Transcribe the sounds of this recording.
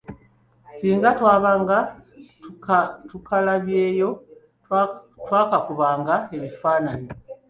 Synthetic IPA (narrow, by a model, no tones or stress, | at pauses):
siːŋɡatwaːβaŋɡa | tukalaβjeːjo̞ | twaːkakuβaːŋɡae̞βifaːnani